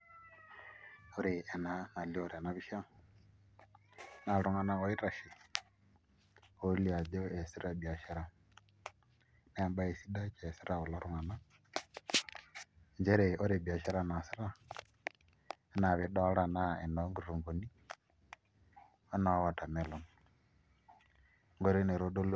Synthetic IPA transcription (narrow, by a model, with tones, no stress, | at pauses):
o˦ɾi˨ɛ˨na˨˦na˨li˦o˨ɾɛ˨na˨˦βi˦ʃa˦ | na˨ɾu˨ŋa˨na˦ɣo˦i˦ɾa˨ʃi˨ | o˦li˦a˨d͡ʒo˦ɛ˨si˦ɾa˦˨bi˨a˨ʃɛ˦ɾa˨ | na˦˨mba˦e˨si˦da˦t͡ʃɛ˨si˦ɾʔa˨u˨la˦ɾu˨ŋa˨na˦ | ɲd͡ʒɛ˦ɾɛ˨ʔɔ˦ɾe˨bi˨a˨ʃa˦ɾa˦na˨si˦ɾa˦ | na˨βi˨ɗɔ˦ɺa˨na˦ɛ˨nɔ˨˦ŋɡu˨ɾu˨ŋɡo˨ni˦ | ɔ˦na˨˦wa˨ta˨mɛ˦lɔ˨n | ŋɡɔ˦ɾi˦ne˨ɾo˦do˦l